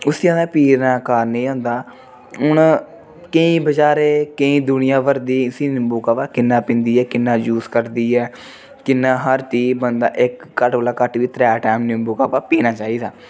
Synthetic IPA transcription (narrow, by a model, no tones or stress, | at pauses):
ʊsiãːd̪aːpiːɾnãːkaːɾnẽĩːɦõːnd̪aː | ʊn | kəĩːbəd͡ʒaːɾeːkəĩːd̪ʊnɪjãːʋəɾd̪iːsĩːnɪmbuːkaːpaːkɪnːãːpɪ̃nd̪iːɛːkɪnːãːd͡ʒuːskəɾd̪iːɛː | kɪnːãːɦəɾʈ̪iːbənd̪a̰ːʔɪkːəʈəlaːkəʈʋiːt̪ɾɛːʈɛːmnɪmbuːkaːpaːpiːnaːt͡ʃaːiːd̪aː